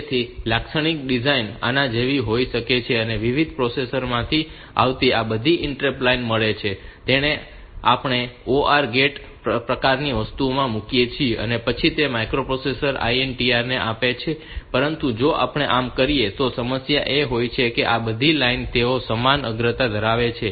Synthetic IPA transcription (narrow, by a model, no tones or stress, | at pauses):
t̪ʰilaksəɽ̃ik̚ɖid͡ʒaina̰nãd͡ʒeʋiɦoiʃəket͡ʃʰeəneʋiʋid̪̚ʱpɾosesəɾmãt̪ʰi | a̰ʋt̪iabəd̪ʱiʔɪɳʈɾeplainməɭet͡ʃʰet̪eɽ̃e | a̰pɳ̃eoʔaɾɡeʈ | pɾəkaɾniʋəst̪umãmukijet͡ʃʰieə̰nepət͡ʃʰit̪emajkɾopɾosesəɾa̰ienʈiaɾneʔapet͡ʃʰe | pəɾənt̪ũd͡ʒoʔa̰pɳ̃eʔamkəɾiet̪osəməsjaʔeɦojt͡ʃʰekeʔabəd̪ʱilaint̪eosəmanə̰ɡɾət̪ad̪ʱəɾaʋet͡ʃʰe